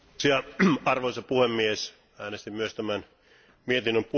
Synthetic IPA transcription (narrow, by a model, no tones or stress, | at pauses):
siæɑrʋoisɑpuhemːies | æːnest̪imyøst̪æmæn | miet̪inːømpu